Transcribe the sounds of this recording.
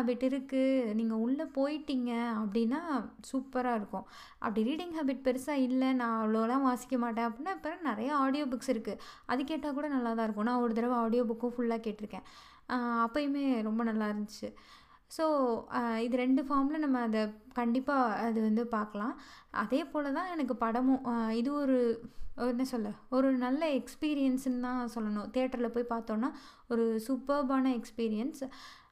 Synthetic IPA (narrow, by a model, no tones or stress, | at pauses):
aːbɪʈːɪɾɯkːɯniːŋɡɐʊɭːɐpoːjɪʈːiŋɡɐɐpːɐɽɪnːaːsuːpɐɾaːɪɾɯkːʊ̃ | ʔɐ̰pːɐɽiɾiːɽɪŋɦaːbɪʈ̚pɛɾɯsaːɪlːɛnãːɐʋɐɭoːlãːʋaːsɪ̥kːɐmaːʈ̬ːẽːɐpːɐɽɪnːaːɪpːɐɾɐ̃nɪɾɐjɐaːɽɪjoːbʊksɪɾɯkːɯʔɐðɯkeːʈːaːkuːɽɐnɐlːaːt̪ãːɪɾɯkːõnãːɔɾɯt̪ɪɾɐʋɐaːɽɪjoːbʊkːʊ̃fʊɭːaːkeːʈːɪɾɯkːẽː | ɐpːɐjmeːɾɔmbɐnɐlːaːɪɾɯnd͡ʒɯt͡ʃːɯ | soːɪðɯɾɛɳɖɯfaːɾmlɐnɐmːɐːðɐkɐɳɖɪpːaːɐðɯʋɐnd̪ɯpaːɾkɐlãː | ʔɐ̰ðeːpoːlɐt̪ãːɛnɐk̬ːɯpɐɽɐmʊ̃ɪðɯɔɾɯɔɾnesɔlːɐɔɾɯnɐlːɐɛkspiːɾɪjɐnsnɯt̪ãːsɔlːɐnʊ̃t̪eːʈːɐɾɪlɐpoːjipaːɾt̪õːnːaː | ɔɾɯsʊpɐɾbaːnɐɛkspiːɾɪjɐns